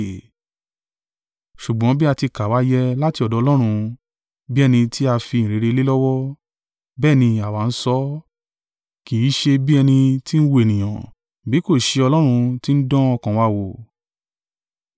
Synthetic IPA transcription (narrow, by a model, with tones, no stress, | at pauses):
ʃu˨ɡ͡bɔ̃˨˦bi˦a˧ti˧ka˨wa˨˦jɛ˦la˦ti˧ɔ˨dɔ˨˧lɔ˦ɾ̃ũ˧ | bi˦ɛ˦˧nĩ˧ti˦a˧fi˧nĩ˨ɾe˨˧ɾe˧le˦lɔ˦wɔ˦ | bɛː˦˨nĩ˧a˨wa˨˦n̩˦sɔ˦ | ki˨i˨˦ʃe˧bi˦ɛ˧nĩ˧ti˦n̩˦wo˧e˨nĩ˨j̃ã̰˨ | bi˨˦ko˦˨ʃe˧ɔ˧lɔ˦ɾ̃ũ˧ti˦n̩˦dɔ̃˦ɔ˧kã˨wa˧wo˨